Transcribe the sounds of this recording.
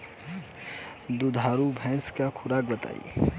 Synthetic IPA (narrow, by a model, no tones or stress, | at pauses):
d̪ud̪ʱaːɾubʱɛ̃ːskakʰʊɾaːk̚bɐt̪a̰ːḭː